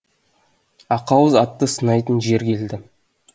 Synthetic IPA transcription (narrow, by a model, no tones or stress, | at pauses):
ɑqɑwəzɑt̪ːəsənɑjt̪ənʒe̞ɾkʲʰe̞ld̪ɪ